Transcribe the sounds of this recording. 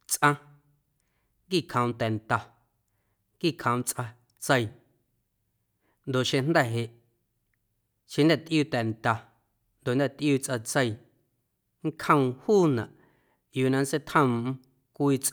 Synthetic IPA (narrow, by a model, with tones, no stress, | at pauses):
t͡sʔã˧ | ŋkiː˦˨kʰə̃˧w̃t̪ɛ˨nt̪a˨ | ŋkiː˦˨kʰə̃˨w̃t͡sʔa˧ | t͡sə˧j | nd̪o˨ʔʃẽ˧nd̪ɛ˦˨ɦe˨ʔ | ʃẽ˧nd̪ɛ˦˨t̪ʔjuː˦˨t̪ɛ˨nt̪a˨ | nd̪o˨nd̪ɛ˦˧˨t̪ʔjuː˧˨t͡sʔa˧t͡sə˧j | ŋ˦kʰhə̃˧w̃huː˦˨nã˨ʔ | juː˨nã˧n˦se˦t̪ʰhə̃˧˨m˧˦ | kʷiː˧t͡s